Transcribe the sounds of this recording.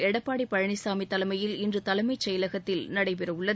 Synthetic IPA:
ɛɽɐpːaːɽipːɐɻɐɳɪsaːmit̪ːɐlɐmɐjɪlɪndrɯt̪ɐlɐmɐɪt͡ʃɐjɐlɐɣɐt̪ːɪlnɐɽɐɪp̬ɛɾɐɯɭːɐ

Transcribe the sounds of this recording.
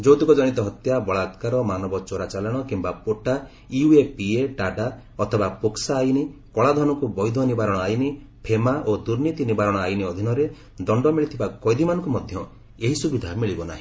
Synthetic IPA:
d͡ʒowt̪ikɔd͡ʒɔñit̪ɔɦɔt̪jabɔɭat̪kaɾɔmanɔbɔt͡ʃoɾat͡ʃalɔɽ̃ɔkimbapoʈa | iuepieɖaɖa | ɔt̪ʰɔbapoksaːjnikɔɭad̪ʱɔnɔkubɔjd̪ʱɔnibaɾɔɽɔajni | pʰemaʔod̪uɾnit̪inibaɾɔɽ̃ɔajniɔd̪ʱinɔɾe | d̪ɔɳɖɔmiɭit̪ʰibakɔjd̪ʱimanɔ̃ŋkumɔd̪ʱjɔ | eɦisubid̪ʱamiɭibɔna̰ɦĩ

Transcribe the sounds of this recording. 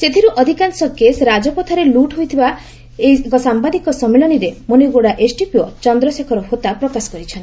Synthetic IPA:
set̪ʰiɾuʔɔd̪ʱikansɔkesɾad͡ʒɔpɔt̪ʰaɾeluʈɦojt̪ʰiba | eikɔsambad̪ikɔsɔmelɔniɾemoneɡoɽaʔesʈipiɔt͡ʃɔnd̪ɾɔsekʰɔɾɔhot̪apɾɔkasɔ̥kɔɾit͡ʃʰɔnt̪i

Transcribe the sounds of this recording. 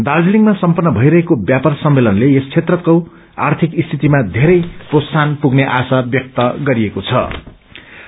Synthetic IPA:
d̪ald͡ziliŋɡmasʌmpʌnːʌbʱʌjɾʌɦekobjapʌrsʌmːelʌnleest͡sʰet̪rʌt̪̚kow | a̰rt̪ʰikist̪ʰit̪imad̪ʱeɾʌjprossanpuɡneʔasabjʌk̚t̪ʌɡʌɾiekot͡sʰʌ̰

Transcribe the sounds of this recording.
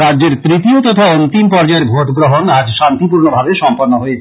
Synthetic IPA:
ɾadːd͡ʑeɾt̪ɾit̪iot̪ɔt̪ʰaonːot̪impɔɾd͡ʑaeɾbʱoʈɡɾoɦonad͡ʑʃant̪ipuɾnobʱabeʃɔmpoɾnːoɦojet͡ɕʰ

